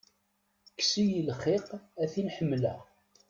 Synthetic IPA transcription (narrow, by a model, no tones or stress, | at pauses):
ksijilχiqæθinħəmːlæ̰ʁ